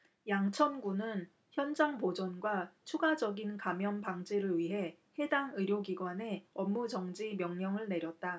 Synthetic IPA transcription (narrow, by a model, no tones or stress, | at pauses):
jaŋt͡ɕʰʌnɡunɯn | çjʌnd͡ʑaŋpod͡ʑʌnɡwat͡ɕʰuɡad͡ʑʌɡinkamjʌnpaŋd͡ʑiɾɯɭɥiɦe̞he̞daŋɯɾjoɡiɡwane̞ʌmːud͡ʑʌŋd͡ʑimjʌŋɲʌŋɯɭne̞ɾjʌt̚t͈a